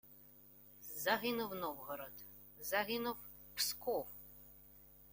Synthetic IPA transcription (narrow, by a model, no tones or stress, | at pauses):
zɐɦɪnʊwnɔwɦɔɾɔt̪ | zɐɦɪnʊw | pskɔw